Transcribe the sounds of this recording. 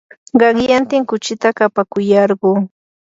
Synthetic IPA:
ɢɑŋjant̪ɪŋkʊt͡ʃɪt̪akapakʊjɑɾɢuː

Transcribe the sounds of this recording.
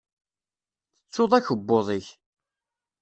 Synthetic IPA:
θət͡sːoðˤæçəbːoðˤəç

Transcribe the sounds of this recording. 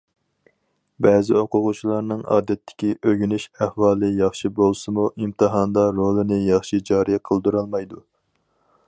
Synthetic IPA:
bɛːzɪoqʊʁʊt͡ʃʰilˠɑɾnɨŋɑ̰ːd̪ɛt̪ʰːɪ̥kʲiʔøɡʲynyʃæhwɑːlˠɨjɑχʃibolˠsɨmuʔimt̪ɨɦɑnd̪ɑɾolˠɨnɪjɑχʃid͡ʒɑːɾijqʰəlˠd̪uɾɑlˠmɑjd̪u

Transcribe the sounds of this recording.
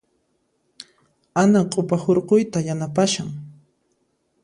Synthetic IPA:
anaqʼopahoɾqojt̪ajanapaʃaŋ

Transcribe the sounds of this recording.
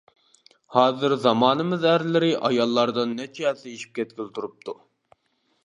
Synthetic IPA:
hɑːzɨɾzɑmɑːnɨmɨzæɾlɪɾɪʔɑjɑlˠːɑɾd̪ɨnːɛt͡ʃʰɛɛlsɛiʃi̥p̚kʲʰɛt̪̚kʲilt̪ʰuɾup̚t̪ʰu

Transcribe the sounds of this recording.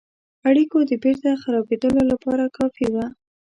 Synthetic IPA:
aɽikod̪əbeɾt̪axaɾɑbed̪əlolapɑɾakɑfiwa

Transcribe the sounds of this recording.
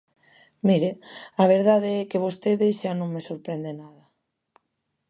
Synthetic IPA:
miɾeaβ̞eɾðaðeɛkeβ̞ost̪eðeʃanõŋmesoɾpɾend̪enaðɐ

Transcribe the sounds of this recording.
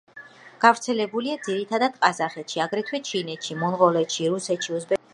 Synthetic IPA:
ɡ̥avɾt̪sʰɛlɛbuliad̪ziɾit̪ʰad̪ad̪̥qʼazaχɛt̪ʃiaɡɾɛt̪ʰwɛt͡ʃʰinɛt̪ʃimɔnʁɔlɛt̪ʃiɾusɛt̪ʃiuzbɛ

